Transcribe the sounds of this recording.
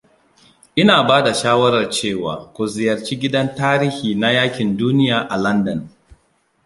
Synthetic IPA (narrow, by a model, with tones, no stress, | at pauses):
ʔɪ˦naː˨baː˦da˨ʃaː˦wɐ˦ɾɐ˨rt͡ʃeː˦˨wa̰ː˨kʷʊ˨zɪ˨jɐ˨rt͡ʃiː˦ɡʲɪ˦dɐ˦ntaː˦ɾiː˦hiː˨na˦jaː˦kʲɪ˨nduː˦nɪ˦jaː˨ʔa˨lɐ˦ndɐ˨n